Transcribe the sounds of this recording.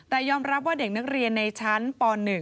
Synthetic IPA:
t̪ɛː˨˩jɔː˧mɾa˦˥p̚waː˥˩de˨˩k̚na˦˥k̚ɾi˧ənːa˧jt͡ɕʰa˦˥npɔː˧nːɯ˨˩

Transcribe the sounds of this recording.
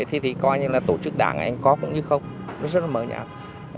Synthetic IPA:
ə˧˨t̪ʰi˨˩t̪ʰi˨˩kɔ˧jɲɨ˧laː˨˩t̪o˧˩t͡ɕɨ˦˥k̚ɗa̰ː˧˩ŋ˧ʔa̰˧jŋ̟kɔ˨˦kʊ̰˧˥ŋ͡mɲɨ˧xə˧wŋ͡m | nɔ˨˦zə˦˥t̚lməː˨˦ɲa̰ː˧˩

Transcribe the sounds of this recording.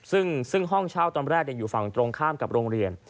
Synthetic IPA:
sɯ˥˩ŋsɯ˥˩ŋɦɔ˥˩ŋt͡ɕʰaː˥˩wt̪ɔː˧nɾɛː˥˩k̚ja˧ŋjuː˨˩fa˨˩ŋt̪ɾo˧ŋkʰaː˥˩mka˨˩p̚ɾoː˧ŋɾi˧ən

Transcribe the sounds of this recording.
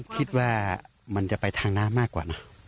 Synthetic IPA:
kʰi˧t̪̚waː˧˩ | ma˧˥nt͡ɕa˨˩ʔpa˧jt̪ʰaː˧ŋnaː˧˥˨maː˥˩kwaː˨˩na˧˥˩

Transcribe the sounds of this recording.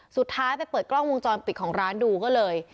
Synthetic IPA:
su˨˩t̪ʰːaː˦˥jpa˧jpɤː˨˩t̪̚klɔ˥˩ŋwo˧ŋt͡ɕɔː˧npi˨˩kʰɔː˩˦ŋɾaː˦˥nduː˧kɔː˥˩lɤː˧j

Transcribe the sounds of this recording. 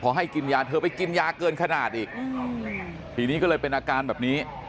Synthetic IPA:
kʰɔː˨˦ɦa˥˩jki˧njaː˧t̪ʰɤː˧pa˧jki˧njaː˧kɤː˧nkʰa˧naː˨˩t̪̚ʔiː˨˩k̚ɯː˧ | pʰiː˨˩˦niː˦˥kɔ˥˩lɤː˧jpe˧nʔaː˧kaː˧nbɛː˨˩p̚niː˦˥

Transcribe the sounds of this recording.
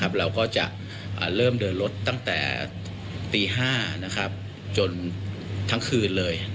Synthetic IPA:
a˦˥p̚ɾa˧wkɔː˥˩t͡ɕa̰˨˩ʔ | ʔa̰ː˨˩ɾɤː˥˩mdɤː˧nlo˦˥t̪ːa˥˩ŋt̪ɛ̰ː˨˩ | t̪iː˧ɦaː˥˩na˦˥kʰɾa˦˥p̚ | t͡ɕo˧n | t̪ʰa˦˥ŋkʰɯː˧nlɤː˧j

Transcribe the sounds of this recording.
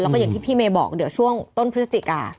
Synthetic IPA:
lːkɔː˥˩a˨˩ŋt̪ʰiː˥˩pʰiː˥˩meː˧bɔ̰ː˨˩k̚di˨˦wt͡ɕʰu˥˩əŋt̪o˥˩npʰɯ˦˥sa˧t͡ɕ̪i˨˩ka̰ː˧

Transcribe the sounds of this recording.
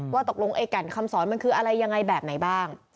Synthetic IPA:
waː˥˩t̪o˨˩k̚lo˧ŋʔeː˧ka˨˩nkʰa˧msɔː˩˦nma˧nkʰɯː˧ʔa˧ɾa˧jːa˧ŋːa˧jbɛː˨˩p̚na˩˦jbaː˥˩ŋ

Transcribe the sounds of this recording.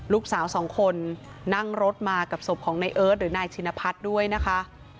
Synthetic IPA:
luː˥˩k̚saː˩˦wsɔː˩˦ŋkʰo˧nːa˥˩ŋɾo˦˥t̪̚maː˧ka˨˩p̚so˨˩p̚kʰɔː˩˦ŋna˧jʔɤː˦˥t̪̚ɾɯː˩˦naː˧jt͡ɕʰi˧na˧pʰa˦˥t̪̚du˥˩əjna˦˥kʰa˦˥ʔ

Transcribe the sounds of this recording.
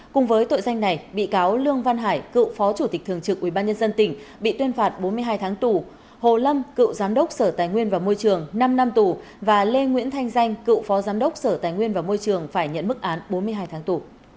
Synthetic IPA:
kʊ˨˩ŋ͡mvəː˨˦jt̪o̰˧˨jza˧jŋ̟na˨˩jɓḭ˧˨kaː˨˦wlɨ˧əŋva˧nɦaː˧˩jkɨ̰˧˨wfɔ˨˦t͡ɕu˧˩t̪ï˨˩k̚t̪ʰɨ˨˩əŋt͡ɕɨ˨˩k̚ʔwi˧˩ɓaː˧nɲə˧nzə˧nt̪ï˧˩ŋ̟ɓḭ˧˨t̪wi˧ənfaː˨˩t̚ɓo˨˦nmɨ˧əjɦaː˧jt̪ʰaː˨˦ŋt̪u˨˩ | ho˨˩lə˧mkɨ̰˧˨wzaː˨˦mɗə˦˥wk͡p̚səː˧˩t̪aː˨˩jŋwi˧ənvaː˨˩mo˧jt͡ɕɨ˨˩əŋna˧mna˧mt̪u˨˩ | vaː˨˩le˧ŋwḭ˧˥ənt̪ʰa˧jŋ̟za˧jŋ̟kɨ̰˧˨wfɔ˨˦zaː˨˦mɗə˦˥wk͡p̚səː˧˩t̪aː˨˩jŋwi˧ənvaː˨˩mo˧jt͡ɕɨ˨˩əŋfaː˧˩jɲə̰˧˥˨nmɨ˦˥k̚ʔaː˨˦nɓo˨˦nmɨ˧əɦaː˧jt̪ʰaː˨˦ŋt̪u˨˩

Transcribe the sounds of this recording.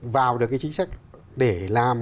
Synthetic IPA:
vaː˨˩wɗɨ˨˩əkaː˨˦jt͡ɕï˨˦ŋ̟sa˦˥jk̟̚ | ɗe˧˩laː˨˩m

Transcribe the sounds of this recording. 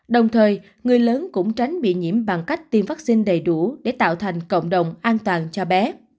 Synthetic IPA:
ɗə˨˩wŋ͡mt̪ʰəː˨˩j | ŋɨ˨˩əjləː˨˦nkʊ̰˧˥ŋ͡mt͡ɕa˨˦ŋ̟ɓḭ˧˨ɲḭ˧˥əmɓa˨˩ŋka˦˥jk̟̚t̪i˨˩mvaː˦˥k̚si˧ŋ̟ɗə˨˩jɗu˧˩ɗe˧˩t̪a̰ː˧˨wt̪ʰa˨˩jŋ̟kə̰˧˨wŋ͡mɗə˨˩wŋ͡mʔaː˧nt̪waː˨˩nt͡ɕɔ˧ɓɛ˨˦

